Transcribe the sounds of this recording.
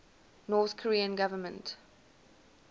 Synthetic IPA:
nɔːθkʰɔɹiːə̃nɡavəmə̃nt

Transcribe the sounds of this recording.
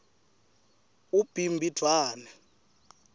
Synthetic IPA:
ub̥ʱimbʱid̥ʱwaːnɛ

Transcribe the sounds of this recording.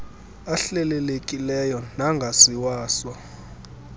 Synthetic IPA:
aɬɛlɛlekʼilɛjɔnaŋɡʱasiwaːswɔ

